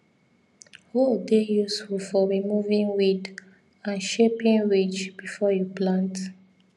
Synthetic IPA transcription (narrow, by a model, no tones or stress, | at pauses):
holdejusfulfɔɹimuvĩnwid | ãnʃepĩnɹid͡ʒb̥ifɔjuplãnt